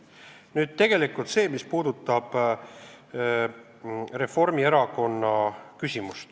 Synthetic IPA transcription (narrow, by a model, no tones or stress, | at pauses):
nyːd̪̥̚t̪e̞ɡ̥e̞likˑult̪se̞ːmispuːd̪̥ut̪ːˑɑb̥ | re̞fo̞rmieɾɑko̞nːɑkysʲimust̪